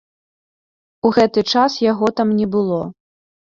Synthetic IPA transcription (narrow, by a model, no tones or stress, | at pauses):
uɣɛt̪ɨt͡ʂasjaɣɔt̪amnʲɛbɨlˠɔ